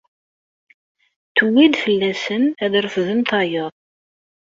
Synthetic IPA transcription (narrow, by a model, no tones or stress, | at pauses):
t̪uwid̪fəlːæsənæðɾəfðəmt̪ɑjəðˤ